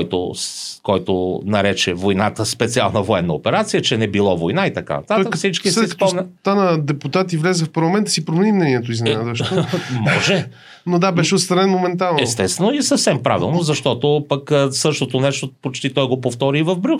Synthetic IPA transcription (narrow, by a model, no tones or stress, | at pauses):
jt̪o̰kɔjt̪onɐɾɛt͡ʃɛvojnat̪əspɛt̪sia̰lˠnəvoɛnːəopɛɾat̪sijət͡ʃɛnɛbilˠɔvojnait̪ɐka̰nɐ̰t̪at̪əkfsit͡ʃkisɛɛiskp̪ɔmmnʲt̪anəd̪ɛput̪at̪ivlʲɛzɛfpɐɾlˠɐmɛnt̪əsipɾomɛnimnɛniɛt̪oizmɛnad̪vɐʃmɔʒɛ | nod̪abɛʃɛot̪st̪ɾɐnɛnmomɛnt̪alˠnɛst̪ɛt̪st̪vɛnoisɐfsɛmpɾa̰vḭlˠnozɐʃt̪ɔt̪opəksɤʃt̪ot̪onɛʃt̪opot͡ʃt̪it̪ɔjɡopoft̪ɔɾiːvɐvbɾʲuk